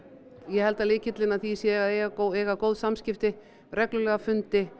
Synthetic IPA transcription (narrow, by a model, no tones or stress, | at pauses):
jɛhɛlt̪alɪːcɪt̪lɪnaθisjɛɣaðeːjɣakoeːjɣakoːwðsamscɪft̪ɪ | rɛklʏlɛɣafʏnt̪ɪ